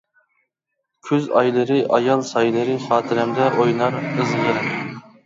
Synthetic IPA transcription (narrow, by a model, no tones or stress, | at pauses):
kʲʰyzɑ̰jlˠɨɾɨʔɑjɑlˠsɑjlˠɨɾɨχɑːt̪ʰɨɾɛmd̪ɛʔojnɑɾɨzʁəɾɨ